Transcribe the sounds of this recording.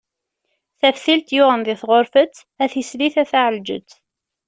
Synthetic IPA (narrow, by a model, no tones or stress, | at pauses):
θæfθilt̪jʊʁənðɪθʁoɾfət͡sː | æθisliθæθaʕəld͡ʒə̰t͡sː